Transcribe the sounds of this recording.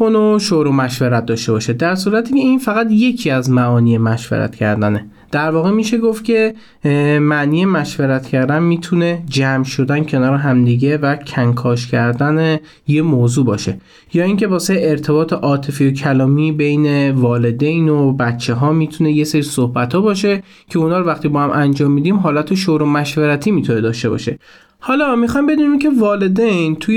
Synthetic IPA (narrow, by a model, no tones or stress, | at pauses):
konoʃoɾomæʃveɾæt̪̚d̪ɒːʃt̪e̞bɒːʃed̪æɾsuːɾæt̪ʰiːcʲʰeinfæɣæt̪je̞cʰiæzmæʔɒːniːemæʃvḛɾæ̰t̪cʰæ̰ɾd̪æne | d̪̥æɾvɒːɣe̞miːʃe̞ɡoft̪cʰe̞ | mæʔniːjemæʃveɾæt̪ʰcʰæɾd̪ænmiːt̪ʰune̞d͡ʒæmʃo̞d̪æncʰe̞nɒːɾeɦæmd̪iɟe̞væcʰæŋkʰɒːʃcʲʰæɾd̪æne | jemoːzuːbɒːʃe̞ | jɒːiːŋce̞bɒːseeɾt̪ʰe̞bɒːt̪ʰeʔɒːt̪ʰe̞fijocʰælɒːmiːbe̞jne̞vɒːle̞d̪ejnobæt̪t͡ʃʰːe̞ɦɒːmit̪ʰune̞je̞seɾisohbæt̪ʰɒːbɒːʃe̞ | cʰeunhɒːɾovæχt̪iːbɒːhæmʔænd͡ʒɒːmːiːd̪iːmɦɒːlæt̪ʰeʃoɾomæʃveɾæt̪ʰiːmiːt̪ʰune̞d̪ɒːʃt̪e̞bɒ̰ːʃe̞̰ | hɒlɒmixɒjmbe̞d̪uːnincʲʰe̞vɒːle̞d̪ejnt̪ʰuj